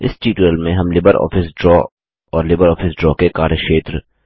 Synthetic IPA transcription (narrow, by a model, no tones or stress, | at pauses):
ɪ̰sʈiːʈɾəlmẽɦɐmlɪbəɾʔɔ̰ːfɪsɖɾɔː | ɔːɾlɪbəɾɔːfʰɪsɖɾɔːkekaːɾjəʃeːt̪ɾ